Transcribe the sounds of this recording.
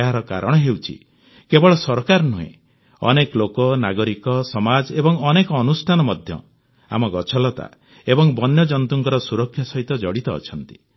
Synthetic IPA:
ɦaɾɔka̰ɾɔɽ̃ɔɦewt͡ʃʰḭ | kebɔɭɔsɔɾkaɾnuɦḛ̃ | ɔ̰nekɔlokɔnaɡɔɾikɔsɔmad͡ʒebɔŋɔnekɔːnusʈʰanɔmɔd̪ʱjɔ̰ | a̰mɔɡɔt͡ʃʰɔlɔt̪a̰ | ebɔŋbɔnjɔd͡ʒɔnt̪uŋkɔɾɔsuɾɔkʰːjɔsɔɦit̪ɔd͡ʒɔɽit̪ɔ̰ːt͡ʃʰɔnt̪i

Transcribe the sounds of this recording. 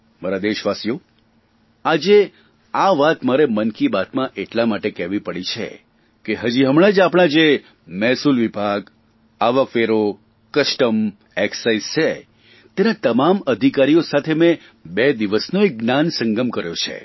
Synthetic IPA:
maɾad̪eʃʋasijo | ad͡ʒe | aʋat̪maɾemənkibat̪mãʔeʈlamaʈekɛʋipəɽit͡ʃʰḛ | keɦəd͡ʒiɦəmɽ̃ad͡ʒapɽ̃ad͡ʒe | mɛsulʋibʱaɡ | aʋəkʋeɾo | kəʃʈəm | eksaist͡ʃʰe | t̪enat̪əmaməd̪ʱikaɾijosat̪ʰemẽ | bed̪iʋəsnoek̚ɡnansəŋɡəmkəɾjot͡ʃʰḛ

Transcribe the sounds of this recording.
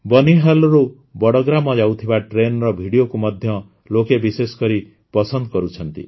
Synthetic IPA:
bɔniɦɔlɔɾu | bɔɽɔɡɾamɔd͡ʒawt̪ʰibaʈɾenɾɔbʱiɽijokumɔd̪ʱjɔ | lokebiseskɔɾi | pɔsɔnd̪ɔkɔɾut͡ʃʰʌnt̪ḭ

